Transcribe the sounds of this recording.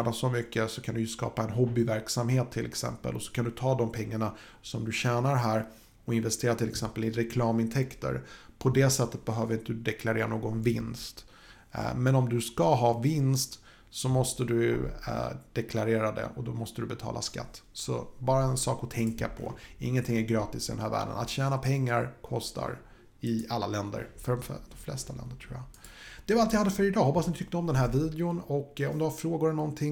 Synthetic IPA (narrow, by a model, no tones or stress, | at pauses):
nasɔmʏkːəsɔkʰand̪ɵjɵskɑ̰ːpaɛnɦɔbːɪvæɾksamheːt̪ʰːɪlʔɛ̰ksɛ̰mpə̰lʔɔsɔ̥kʰand̪ɵt̪ʰɑːd̪ɔmpʰɛŋːaɳa | sɔmd̪ɵɕæːnaɾɦæːɾ | ɔɪnvɛst̪ʰeːɾat̪ʰɪlːɛksɛmpəlɪɾɛkʰlɑːmɪnt̪ʰɛkt̪ə̰ɾpʰɔd̪ɛsɛt̪ːət̪̚bɛɦøːvəɾɪnt̪əd̪ɵd̪ɛkʰlaɾeːɾanoːɡɔnvɪnst̪ | mɛnɔmd̪ɵskaɦɑːvɪnst̪ | sɔmɔst̪əd̪ɵj̰ | d̪̥ɛkʰlaɾeːɾad̪ɛ̰ʔɔd̪ɔmɔst̪əd̪ɵbɛt̪ʰɑ̰ːlʔa̰ska̰t̪ːsɔ̰bɑːɾaɛnsɑːkɔt̪ʰɛŋkapʰɔ̰ɪŋːənt̪ʰɪŋːæɾɡɾɑːt̪ɪsɪd̪ɛnɦæːɾvæ̰ːɖə̰na̰t̪ɕæːnapʰɛŋːaɾkʰɔst̪ʰa̰ɾ | ɪalːalɛnd̪ə̰ɾfœɖɔmd̪ɔmflɛ̰st̪alɛ̰nd̪əʈʰɾuːjad̪̥ɛvaalt̪vɪhad̪ːəfœɾɪd̪ɑːhɔpːasnɪt̪ʰʏk̚t̪əɔmd̪ɛnɦæːɾviːd̪ɪʊnɔkːɔ̰md̪ɵhaɾfɾoːɡʊɾɛlnɔnt̪ʰɪŋ